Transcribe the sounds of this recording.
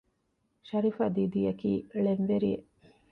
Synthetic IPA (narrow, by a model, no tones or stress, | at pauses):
ʃɐɾifaːd̪iːd̪ijɐkiːɭenʋeɾḭe